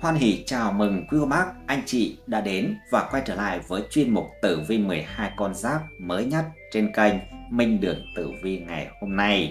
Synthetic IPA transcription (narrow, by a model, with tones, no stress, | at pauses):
hwaː˧nɦḭ˧˩t͡ɕaː˨˩wmɨ˨˩ŋkwi˨˦o˧˩ɓa˦˥k̚ʔa˧jŋ̟t͡ɕḭ˧˨ɗa̰ː˧˥ɗe˨˦nvaː˨˩kwa˧jt͡ɕəː˧˩la̰ː˧˨jvəː˨˦jt͡ɕwi˧ənmʊ˨˩t̚t̪ɨ˧˩vi˧mɨ˨˩əjhaː˧jkɔ˧nzaː˦˥k̚məː˨˦jɲə˦˥t̚t͡ɕe˧nkə˧jŋmï˧ŋ̟ɗɨ˨˩əŋt̪ɨ˧˩vi˧ŋa˨˩jho˧mna˧j